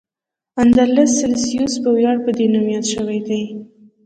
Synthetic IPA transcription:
and̪aɾlasɪlsijusbəwjɑɽpəd̪enamijat̪ʃəwajd̪aj

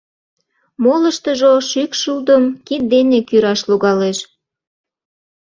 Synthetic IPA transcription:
moləʃt̪əʒoʃykʃuld̪əmkid̪̚d̪enekyɾɑʃluɣɑleʃ

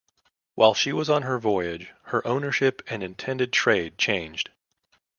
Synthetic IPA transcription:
wʔaɪlˠʃiwʌzn̩ə˞vɔɪɪd͡ʒ̥hə˞ʔõʊ̃nə˞ʃɪpɨ̃nɨ̃ntʰɛ̃ndɨd̚tʰɹ̥eɪd̚t͡ʃʰẽɪ̃nd͡ʒd̥

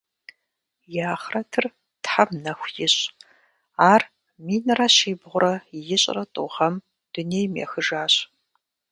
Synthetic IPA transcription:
jaːχrɐtʰɨr | tħamnɐxʷjɪɕʼ | aːr | miːnɨraɕiːbʁʷʊɾɐjɪɕʼrɐtʼuʁɐm | d̥ʊneːjmjɛ̰xɨʒaːɕʼ

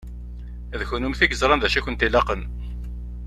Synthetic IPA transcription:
æðçunumθiɡəzɾˤɑnðæʃæçʷənt̪ilɑqən

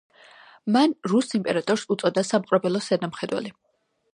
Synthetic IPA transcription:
manɾusimpʼɛɾat̪ʼɔɾsut̪sʼɔd̪asamqʼɾɛbɛlˠɔsɛd̪amχɛd̪wɛ̰li

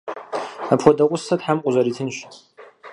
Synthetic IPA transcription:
apxʷɔdɐqʷʼʊsɐtħamqʷʼʊzɐɾitʰɨnɕ

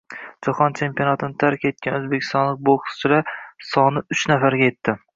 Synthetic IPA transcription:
d͡ʒaχɒnt͡ʃʰe̞mpijonat̪ʰɪnɪt̪ʰaɾkʲe̞t̪̚kʲanɵzbekʲɪ̥st̪ɒnlːˠɪk̚boχsʊ̥t͡ʃʰɪɾasɒnɪʊt͡ʃnafaɾɡʲaje̞t̪ʰːɪ

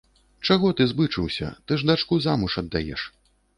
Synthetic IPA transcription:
t͡ʂaɣɔt̪ɨzbɨt͡ʂɨwsʲɐ̰t̪ɨʐd̪at͡ʂkuzamuʂɐd̪ːajɛ̰ʂ

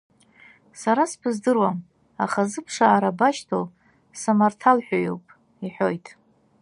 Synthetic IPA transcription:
saɾaspʰɨzdɨrwam | a̰χazɨpʰʂaːɾabaʃtʰo̰w | samartʰalħᶣojo̰wpʼ | iħojtʼ

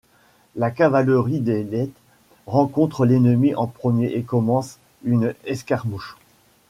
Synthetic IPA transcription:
lakavaləʁid̪elɛt̪ | ʁɑ̃kɔ̃t̪χəlenəmiʔɑ̃pχəmjeʔekɔmɑ̃s | ynɛskaʁmuʃ

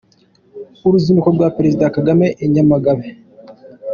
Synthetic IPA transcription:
uɾuzimukoɾɡwapeɾezidakaɡame̞ʔeɲamaɡaβe

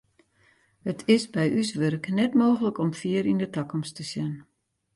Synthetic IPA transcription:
hətʰɪsbɛjʔysʋørknɛtmoːɣələkɔmfiəɾindətakɔmstəsjɛn

